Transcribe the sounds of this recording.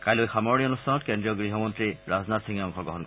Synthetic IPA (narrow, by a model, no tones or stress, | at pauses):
kajlojxamɔɹnionustʰanɔtkendɹiɔɡɹiɦɔmɔntɹiɹaznatsiŋɔŋkʰɔɡɔɦɔnkɔ